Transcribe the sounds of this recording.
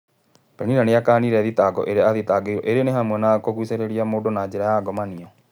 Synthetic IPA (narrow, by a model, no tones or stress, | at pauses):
pɛniɾaneakaːniɾɛðitaɡɔ̰ʔeɾeaðitaɡeiɾɔʔeɾeeneɦamwɛnakoɣwiseɾeɾiamodonaːd͡ʑeɾajaɡɔmaniɔ